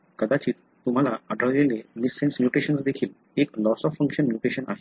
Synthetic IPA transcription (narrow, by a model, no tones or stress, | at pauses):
kəd̪at͡ɕiː | t̪um̤alaəɖɾajʋẽŋɡenisːẽnsmjuʈɾiɕənsd̪ekʰiːl | eklɔsɔfːə̃ŋkɕənmjuʈɾeɕənʔa̰ɦe